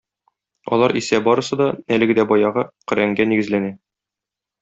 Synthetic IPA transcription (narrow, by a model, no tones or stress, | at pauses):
ɒ̰lˠɑɾisæbɒɾɤ̆sɤ̆d̪ɒnælɘ̆ɡɘ̆d̪æbɒjɑʁɤqɘ̆ɾæŋɡæniɡɘ̆zlænæ